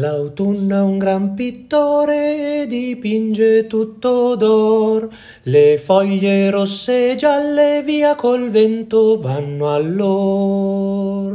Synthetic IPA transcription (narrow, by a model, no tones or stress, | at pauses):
lawt̪unːauŋɡɾampit̪ːoːɾeːd̪ipind͡ʒet̪ut̪ːod̪ɔr | lefɔʎːeɾosːed͡ʒalːeviːakolvɛnt̪ovanːoalːo | ɾ